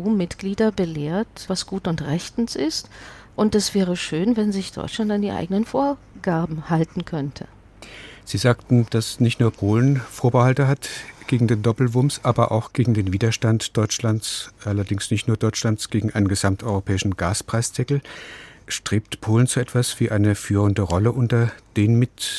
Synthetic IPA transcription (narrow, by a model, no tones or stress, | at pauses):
uːmɪtɡ̥liːdɐbəleːɐtvasɡ̥uːtʊntʁɛçtn̩sɪstʔʊntd̥asv̥ɛːʁəʃøːnvɛnzɪçd̥ɔ̰ʏt͡ʃlantandiːʔa̰ɪɡənənfoːɐ | ɡ̥aɐbm̩haltn̩kʰœntʰə̰ | z̥iːzaːk̚tn̩d̥asnɪçtnuːɐpʰoːlənfoːɐbəhaltəɦatɡ̥eːɡŋ̩deːndɔpl̩vʊmsʔaːbɐʔa̰ʊxɡ̥eːɡŋ̩deːnviːdɐʃtantd̥ɔʏt͡ʃlant͡sʔalɐdɪŋsnɪçtnuːɐdɔʏt͡ʃlant͡sɡ̥eːɡŋ̩ʔaɪnənɡəzamtʔɔʏʁopʰɛːɪʃn̩ɡaːspʁ̥aɪst͡sɛkl̩ | ʃtʁ̥eːp̚tpʰoːlən̩t͡suʔɛtv̥asv̥iːʔaɪnəfyːʁ̞əndəʁɔləʔʊntɐd̥eːnmɪt